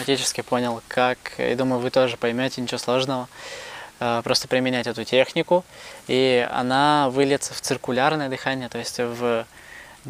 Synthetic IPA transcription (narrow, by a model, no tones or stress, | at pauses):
mɐtʲit͡ɕɪskʲɪpo̞nʲɪlˠkʰakja̰d̪uməjʊvɨt̪o̞ʐɨpɐjmʲotʲɪnʲɪt͡ɕɪoslˠo̞ʐnəvə | əpɾo̞st̪əpɾʲɪmʲɪnʲætʲɛt̪ʊtʲe̞xnʲɪkʊiɐ̰navɨlʲɪt̪sə̥ft̪sɨrkʊlʲarnəjəd̪ɨxanʲɪjət̪o̞jɪsʲtʲv